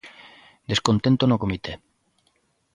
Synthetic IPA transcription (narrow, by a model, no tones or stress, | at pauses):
d̪eskont̪ent̪onokomit̪e